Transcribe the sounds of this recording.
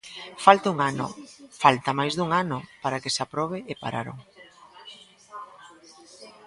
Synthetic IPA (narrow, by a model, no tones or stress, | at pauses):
falt̪auŋano̰falt̪amajzðuŋanʊpaɾakesapɾɔβ̞eepa̰ɾa̰ɾo̰ŋ